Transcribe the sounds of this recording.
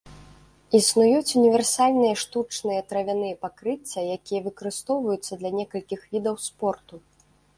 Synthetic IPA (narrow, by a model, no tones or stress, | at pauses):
isnujut͡sʲunʲivʲɛrsalʲnɨjɐʂt̪ut͡ʂnɨjɐt̪ɾɐvʲanɨjɐpakɾɨt͡sʲːɐjakʲijɐvɨkɐɾɨst̪ɔwvɐjut̪sːɐd̪lʲɐnʲɛkɐlʲkʲixvʲid̪ɐwspɔrt̪u